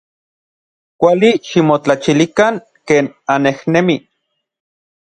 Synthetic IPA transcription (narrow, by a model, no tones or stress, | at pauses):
kʷaliʃimot͡ɬat͡ʃilikaŋ | keːnanehnemi